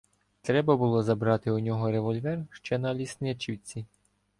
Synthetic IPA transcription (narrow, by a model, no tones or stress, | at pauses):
t̪ɾɛbɐbʊlˠɔzɐbɾɑt̪ɪʊnʲɔɦɔɾeʋɔlʲʋɛrʃt͡ʃɛnɐlʲisnɪt͡ʃiwt͡sʲi